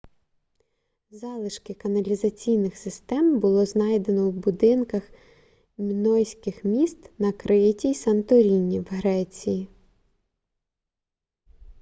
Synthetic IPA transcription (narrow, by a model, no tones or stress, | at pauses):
zɑlˠɪʃkɪkɐnɐlʲizɐt͡sʲijnɪxsɪst̪ɛmbʊlˠɔznɑjd̪e̞nɔwbʊd̪ɪnkɐx | mʲinɔjsʲkɪxmʲist̪nɐkɾʔɪjtʲisɐnt̪ɔɾʲinʲːiwɦɾɛt͡sʲiji